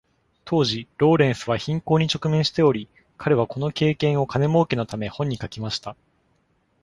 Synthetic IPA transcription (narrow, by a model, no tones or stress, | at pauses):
t̪ʰo̞ːʑiɾo̞ːɾẽ̞ɰ̃sɨβaçĩŋko̞ːɲ̟it͡ɕo̞kɯ̟mẽ̞ɰ̃ɕi̥t̪e̞o̞ɾʲi | kʰaɾe̞βako̞no̞ke̞ːkẽ̞ɰ̃o̞kane̞mo̞ːkeno̞t̪ame̞hõ̞ɲ̟ːikakʲimaɕi̥t̪a